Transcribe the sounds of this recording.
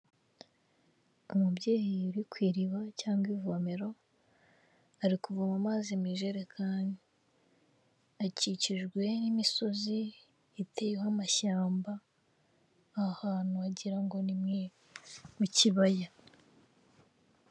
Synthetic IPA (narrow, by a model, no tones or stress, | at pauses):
umubɟeːjiuɾikwiːɾiβacaːŋɡwivome̞ɾo̞ | aɾikuvumamazimiʒe̞ɾekʰaːndi | aciciʒɡwe̞nimiso̞ziː | tʰejwamaʃaːmba | ahaːn̥huaɟiɾaŋɡo̞nimŋe | muciβaja